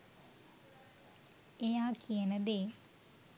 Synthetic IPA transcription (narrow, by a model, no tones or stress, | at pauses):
ejaːkʰijənəd̪eː